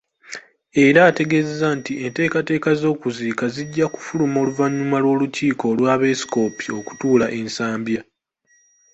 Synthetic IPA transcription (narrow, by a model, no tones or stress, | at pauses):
e̞ɾaːte̞ɡe̞ːzezantie̞nte̞ːkate̞ːkazo̞ːkuziːkaziɟːaku̥fulumo̞ːluvaɲːumalwo̞ːluciːko̞lwaːβe̞si̥ko̞pio̞ku̥tuːlaʔe̞nsaːmbja